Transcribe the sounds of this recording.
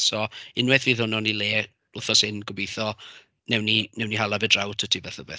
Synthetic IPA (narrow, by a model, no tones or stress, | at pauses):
sɔɪnwɛθviðʊnɔnileː | ʊθɔsɪnɡʊbejθɔ | nɛwninɛwniɦalˠavɛdrawtʰɔtʰivɛθɔbḛ